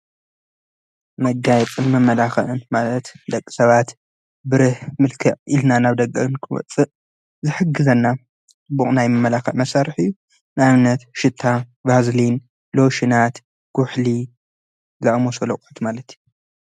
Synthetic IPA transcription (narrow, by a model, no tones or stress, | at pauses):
mɐɡajɛt͡sʼɨnmɐmːɐlaxɐʔɨnmalɐt̪d̪ɐkʼːi̥sɐβat̪ | bɨɾɨhmɨlkʰɐʕʔilnanaβd̪ɐɡɐʔɨnkʰɨwɔ̰t͡sʼːɨʔ | zɨħɨɡːɨzɐnːa | t͡sʼɨbːuχʼnajmɨmːɐlaxɐ̰ʔmɐsaɾɨħɨjːu | nɨamnɐt̪ʃɪt̪ʰːabazlin | loʃinat̪ | ɡ̥ʊħli | zɐʔʼmosolɐkʼħot̪malɐt̪ju